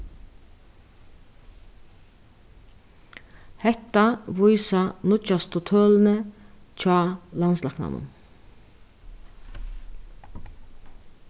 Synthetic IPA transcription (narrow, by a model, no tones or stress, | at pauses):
hɛt̪ːɑvujsɑnʊt͡ʃɑst̪ʰʊt̪ʰøːlnət͡ʃʰɑːlɑnslɑknɑ̰mə̰n